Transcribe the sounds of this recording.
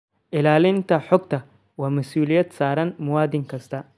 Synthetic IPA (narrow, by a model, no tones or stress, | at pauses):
ʔɪlaːlɪnt̪ʰɐħɔɡt̪ʰɐ | waːmɐsuːlɪjɐd̪saːɾɐnmʊwaːd̪ɪŋkʰɐst̪ʰɐ